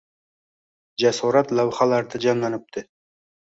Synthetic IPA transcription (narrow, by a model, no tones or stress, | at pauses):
d͡ʒasuɾɑt̪lˠawχɑlˠɑɾd̪ad͡ʒɑnlˠɑnɪp̚t̪ɪ